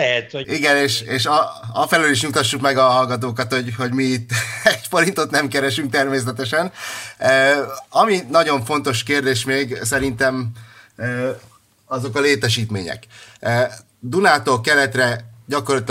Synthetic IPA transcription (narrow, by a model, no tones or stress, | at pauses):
lɛɛt̪oiɡɛneːʃeːʃɒɒfɛløliʃɲut̪ɒʃːukmɛɡɒɦɒlɡɒt̪̬oːkɒt̪ho̞ɟho̞ɟmiːt̪ːɛcfo̞ɾint̪ot̪nɛmkɛɾɛʃyŋk̚t̪ɛrmeːs̬ɛt̪ɛʃɛnøːɒminɒɟo̞ɱfo̞nt̪o̞ʃkeːrd̪eːʃmeːɡsɛɾint̪ɛmøː | ɒzo̞kɒleːt̪ɛʃiːt̪mḛːɲɛ̰køː | d̪unaːt̪okɛlɛt̪rɛɟɒkorlɒt̪